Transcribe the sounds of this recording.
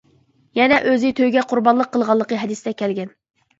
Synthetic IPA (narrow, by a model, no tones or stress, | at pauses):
jɛnɛʔøzɪt̪ʰøjɡʲɛqʰʊɾbɑnlˠəqʰːəlˠʁɑlˠːəqəɦɛd̪ɨsd̪ɛkʲʰɛlɡʲɛn